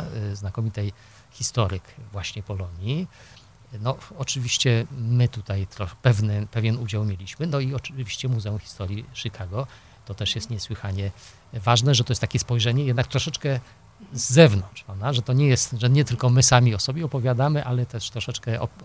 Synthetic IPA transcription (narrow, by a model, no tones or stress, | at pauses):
znakɔmʲit̪ɛj | xʲist̪ɔɾɘkvwaɕɲɛpɔlɔɲji | nɔɔt͡ʂɘvʲiɕt͡ɕɛmɘt̪ut̪ajt̪ɾɔxɛpɛvnɛpɛvʲjɛnud͡ʑawmʲjelʲiɕmɘnɔiɔvʲiɕt͡ɕɛmuzɛumxʲi̥st̪ɔɾʲjiʂɘkʰaɡɔ | t̪ɔt̪ɛʂjɛst̪ɲɛswɘxaɲɛ | vaʐnɛʐɛt̪ɔjɛst̪ːakʲɛspɔjʐɛɲɛjɛd̪nak̚t̪ɾɔʂɛt͡ʂkɛ | zːɛvnɔnt͡ʂpad̪aʐɛt̪ɔɲɛjɛst̪ʐɛɲɛt̪ɘlkɔmɘsamʲiɔsɔbʲjɛɔpɔvʲjad̪amɘʔalɛt̪ɛʂt̪ɾɔʂɛt͡ʂkɛʔɔ̰